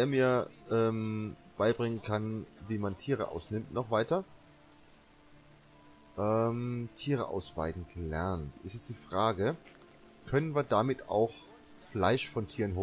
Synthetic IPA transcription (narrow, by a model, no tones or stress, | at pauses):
deːɐmiːɐʔɛːmb̥aɪbʁɪŋənkʰanviːmantʰiːʁ̞ə̰ʔa̰ʊsnɪmtnɔχv̥aɪtɐ | ʔɛmtʰiːʁ̞əʔa̰ʊsv̥a̰ɪdn̩ɡ̥əlɛ̰ɐntʔɪ̰stɛstd̥iːfʁ̥aːɡə | kʰœnənviːɐdamɪtʰa̰ʊx | flaɪʃfɔntʰiːʁənɦoː